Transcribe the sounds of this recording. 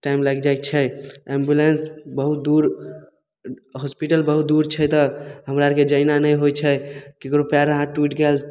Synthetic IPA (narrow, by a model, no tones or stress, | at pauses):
ʈajmlaɡd͡ʒajk̚t͡ʃʰɛembjulensbəɦut̪̚d̪uɾ | ɦɔspiʈəlbəɦut̪̚d̪uɾt͡ʃʰɛt̪ɔɦəmɾaɾked͡ʒəinanəjɦojt͡ʃʰɛkekɾopaɾɦãʈwiʈɡel